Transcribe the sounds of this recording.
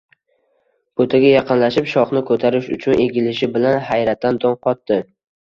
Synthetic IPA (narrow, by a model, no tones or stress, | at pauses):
b̥ot̪ʰaɡʲajɑqɨnlaʃɪpʃɒχnɪkʰɵt̪ʰaɾɪʃʊt͡ʃʰʊnʔe̞ɡʲɪlɪʃɪbɪlanhajɾat̪ːand̪ɒnqʰɒt̪ːɪ